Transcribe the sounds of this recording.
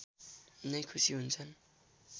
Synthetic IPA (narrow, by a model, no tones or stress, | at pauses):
nʌjkʰusiɦunt͡sʰʌn